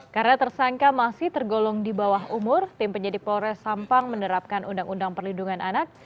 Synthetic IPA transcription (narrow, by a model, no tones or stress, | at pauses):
kaɾnat̪ərsaŋkamasɪht̪ərɡolɔŋdibawaɦumʊrt̪ɪmpəɲadɪpɔɾɛsampaŋmənəɾap̚kanʔundaŋundaŋpərlinduŋanʔanak̚